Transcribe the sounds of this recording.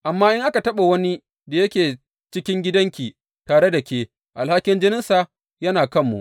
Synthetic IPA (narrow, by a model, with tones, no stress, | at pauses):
ʔa˨mːaː˦ʔɪ˦ŋʔa˦ka˨tɐ˦ɓa˨wɐ˦ni˦ | da˨jɐ˦kʲeː˨ | t͡ʃɪ˦kʲɪ˦ŋɡʲɪ˦dɐ˦ŋkʲiː˨ | taː˨ɽe˦da˨kʲeː˦ | ʔa˨lha˦kʲɪ˦nd͡ʒɪ˦nɪ˦nsa˨ | jɐ˦naː˨kɐ˦˨mːṵ˨ʔ